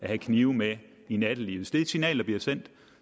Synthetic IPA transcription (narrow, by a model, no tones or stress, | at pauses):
æhækʰniːʊme | inæd̥əlḭsd̥e̝̥sinɛ̰ːld̥ɐb̥liɐsen̰d̥